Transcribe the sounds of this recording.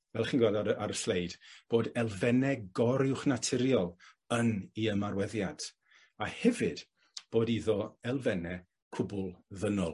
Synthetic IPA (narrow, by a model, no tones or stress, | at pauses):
vɛlˠχiːnɡwadadaɾəslejdb̥oːdɛlˠvɛnɛɡɔɾɪwχnatʰɪɾjɔlˠ | əniəmarwɛðjad̥ | ahɛvɨd̥ | b̥oːdiðɔɛlˠvɛnɛ | kʰʊbʊlˠðənɔlˠ